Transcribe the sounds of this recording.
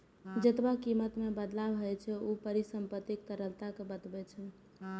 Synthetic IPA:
d͡ʒət̪bakimət̪mebəd̪labɦəjt͡ʃʰɛupəɾisəmpət̪ːik̚t̪əɾəlt̪akebət̪bɛt͡ʃʰɛ

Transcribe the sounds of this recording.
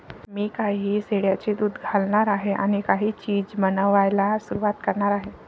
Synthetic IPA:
mikaɦiːseɽjat͡ɕed̪uːd̪ɡʱalnaɾaɦeʔa̰ñikaɦit͡ɕiːd͡ʑmənəʋajlasuɾuat̪kəɾnaɾaɦe

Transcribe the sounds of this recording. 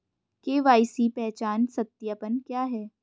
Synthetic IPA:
keːʋaːɪsipɛɦt͡ʃaːnsɐt̪ːjapənkjaːɦɛː

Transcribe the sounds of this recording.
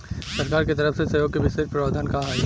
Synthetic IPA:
sɐɾkaːɾket̪ɐɾəfsesɐjoːɡ̚kebɪʃeʃpɾaːd̪ʱankaɦaːi

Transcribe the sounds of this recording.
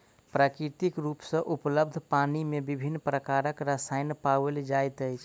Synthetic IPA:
pɾakɾit̪ikɾupsə̃ʔupləbd̪ʱpanimebibʱinːpɾəkaɾəkɾasajnpaʋeld͡ʒajt̪əjt͡ʃʰ

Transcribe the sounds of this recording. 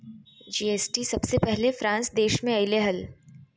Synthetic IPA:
d͡ʒiːeːsʈisɐbsepɛɦlefɾãːnsd̪eːʃmẽɐɪleɦɐl

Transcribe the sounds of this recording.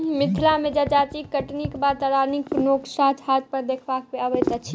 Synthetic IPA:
mɪt̪ʰlamed͡ʒad͡ʒat̪ikəʈnikbat̪aɾaɾnik̚pnoksad͡ʒʰhat̪̚pəɾd̪ekʰbak̚peabɛt̪at͡ʃʰi

